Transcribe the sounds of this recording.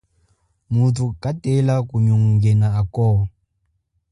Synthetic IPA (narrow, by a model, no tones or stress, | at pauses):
mutʰukʼatɛlakuɲuŋŋɡɛnaːkɔː